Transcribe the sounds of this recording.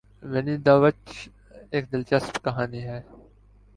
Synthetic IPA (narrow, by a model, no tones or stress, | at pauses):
ʋenid̪aːʋət͡ʃ | eːk̚d̪ɪlt͡ʃəst̪kɐɦaːniːɦɛː